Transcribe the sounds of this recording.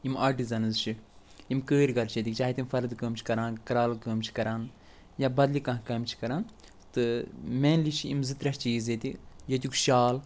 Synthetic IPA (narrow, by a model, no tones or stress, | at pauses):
imaːɾʈizɐnɨzt͡ʃʰi | imkəːɾʲɡɐɾt͡ʃʰet̪ikt͡ʃaːɦit̪imfɐɾd̪kɐːmt͡ʃʰi̥kɐɾãːnkɐɾaːlkəːmt͡ʃʰi̥kɐɾaːn | jabɐd̪likɐ̃ːkɐmt͡ʃʰi̥kɐɾaːn | t̪ɨmeːnlit͡ʃʰiimzɨt̪ɾɐt͡ʃiːzet̪ijɐt̪̬ʲjukʃaːl